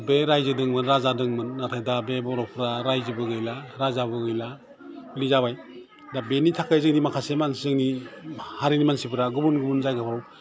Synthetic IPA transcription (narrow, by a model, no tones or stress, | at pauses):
beɾajzɯdɯŋmɯnɾazadɯŋmɯnːatʰajdabebɔɾɔpʰɾaɾajzɯbɯɡɯjlaɾazabɯɡɯjla | bɯlizabaj | dabenitʰakajzɯŋnimakʰasemanszɯŋnihaɾinimansipɯɾaɡubunɡubunzajɡapʰɾw